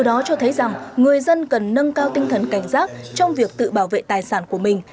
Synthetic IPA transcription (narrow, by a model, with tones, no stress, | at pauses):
əwɗɔ˨˦t͡ɕɔ˧t̪ʰə˨˦jza˨˩ŋŋɨ˨˩əjzə˧nkə˨˩nːə˧nkaː˧wt̪ï˧ŋ̟t̪ʰə˨˩nka˧˩jŋ̟zaː˦˥t̚t͡ɕɔ˧wŋ͡mvi˨˩ək̚t̪ɨ̰˧˨ɓaː˧˩wvḛ˧˨t̪aː˨˩jsaː˧˩nku˧˩əmï˨˩ŋ̟